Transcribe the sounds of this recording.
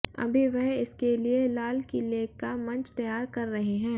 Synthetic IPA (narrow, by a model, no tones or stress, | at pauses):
ɐ̰bʱiʋɛɦɪskelielaːlkileːkːamɐ̃nt͡ʃt̪ɐjaːɾkɐɾːɐɦeɦɛ̃ː